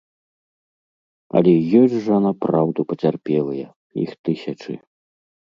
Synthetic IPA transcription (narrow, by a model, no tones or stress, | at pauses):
ɐ̰lʲɛjɔsʲʐɐnapɾawd̪upɐt͡sʲarpʲɛlˠɐjɐ | jḭxt̪ɨsʲɐt͡ʂɨ̰